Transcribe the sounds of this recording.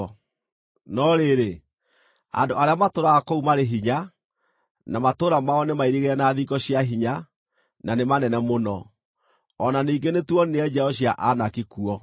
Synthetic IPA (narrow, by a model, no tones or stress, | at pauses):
nɔɾeɾe | a̰ndoʔaɾeamatoɾaɣakoumaɾeɦiɲa | namatoːɾamaɔnemaiɾiɣeɛnaðikɔɕiaɦiɲa | nanemanɛnɛmonɔː | naniːŋɡenetwɔnneɛd͡ʒɛhɔɕiaʔanakikuɔ